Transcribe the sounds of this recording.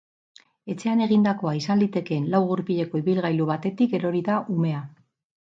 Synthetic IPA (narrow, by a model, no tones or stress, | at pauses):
e̞t͡se̞ane̞ɣind̪ako̞aisanlit̪e̞ke̞nlawɣuɾpiʎe̞ko̞iβilɣajluβat̪e̞t̪ike̞ɾo̞ɾiðaʔume̞a